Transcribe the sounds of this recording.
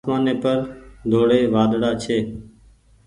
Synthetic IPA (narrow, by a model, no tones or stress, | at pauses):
smaːneːpəɾd̪ʱoːɽeːʋaːd̪ɽaːt͡ʃʰeː